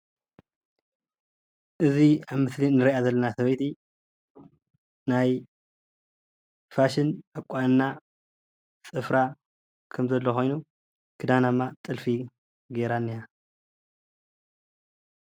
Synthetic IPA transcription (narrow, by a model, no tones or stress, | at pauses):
ʔɨziaβmɨslinɨɾiʔazɐlːɐnasɐβɐjt̪ʰi | naj | faʃɪnʔakʼːanːa | sʼɨfɾa | kʰɐmzɐlːoxo̞jnu | kʰɨd̪anamːat̪ʼɨlfi | ɡeɾanːija